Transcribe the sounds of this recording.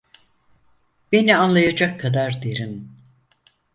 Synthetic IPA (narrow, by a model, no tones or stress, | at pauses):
b̥e̞nianlˠajad͡ʒakʰːad̪aɾd̪eɾim